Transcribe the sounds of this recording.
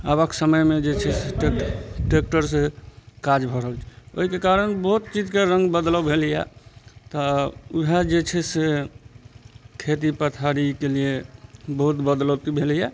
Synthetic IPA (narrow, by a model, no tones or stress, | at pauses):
abəksəməjmed͡ʒet͡ʃʰɛseʈeʈek̚ʈəɾsekad͡ʒbʱɔɾɦəlt͡ʃʰɛo̰ɦikekaɾənbəɦut̪̚t͡ʃid͡ʒkeɾə̃ŋɡbəd̪ləbʱelija̰t̪ɔuɦad͡ʒet͡ʃʰɛse | kʰet̪̬ipət̪ʰaɾikeliebəɦut̪bəd̪lət̪ibʱelija